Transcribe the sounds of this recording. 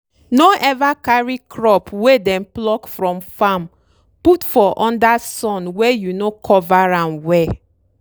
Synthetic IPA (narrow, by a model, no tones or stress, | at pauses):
noʔɛvakaɹikʰɹɔpwedɛ̃mplɔkfɹɔ̃mfãm | putfɔʔɔ̃ndasɔ̃nwɛjunokʰɔvaɹãnwɛ